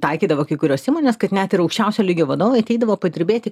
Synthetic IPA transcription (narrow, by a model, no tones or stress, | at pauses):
t̪ɐɪkʲiːd̪ɐʋoːkɐɪkʊɾʲoːsiːmoːnʲeːskɐt̪nʲæt̪ɪɾɐʊkʃʲt͡ʃʲɛʊsʲoːlʲɪɡʲoːʋɐd̪oːʋɐɪɐt̪ʲɛɪd̪ɐʋoːpɐd̪ʲɪɾʲbʲeːt̪ʲɪ